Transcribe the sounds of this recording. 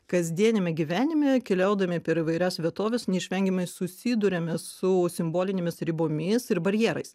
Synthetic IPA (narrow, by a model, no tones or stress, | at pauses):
kɐzʲd̪ʲiɛnʲɪmʲɛɡʲiʋʲæːnʲɪmʲɛkʲɛlʲɛʊd̪ɐmʲɪpʲɛɾiʋɐɪɾʲæsʋʲiɛt̪oːʋʲɛsnʲɛɪʃʲʋʲɛŋʲɡʲɪmɐɪsʊsʲiːd̪ʊɾʲɛmʲɛsʊsʲɪmboːlʲɪnʲemʲɪsɾʲɪboːmʲɪsɪɾbɐɾʲjɛːɾɐɪs